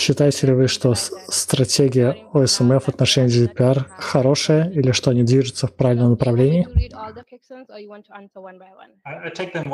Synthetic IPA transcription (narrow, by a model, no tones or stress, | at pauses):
ɕːɪt̪ajɪtʲɪlʲɪvɨʂt̪o̞st̪ɾɐtʲeɡʲɪjə | oɛsɛmɛvɐt̪nɐʂɛnʲɪːd̪ʲɪd̪ʲɪpʲɪarxɐɾo̞ʂəjəilʲɪʂt̪onʲid̪vʲiʐɨt̪səfpɾavʲɪlʲnəmnəpɾɐvlʲenʲɪː